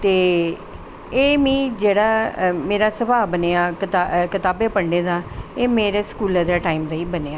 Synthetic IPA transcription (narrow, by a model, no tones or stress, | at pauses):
t̪eː | eːmĩːd͡ʒeːɽaːmeːɾaːsəbaːbəneːaːkɪt̪akɪt̪aːbeːpəɳɖẽːd̪aːeːmeːɾeskuːləɾd̪aːʈaːiːmd̪aːiːbəneːaː